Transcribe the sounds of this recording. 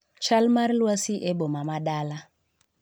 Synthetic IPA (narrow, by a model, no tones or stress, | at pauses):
t͡ʃalmaɾlwasiʔɛɓɔmamaɗala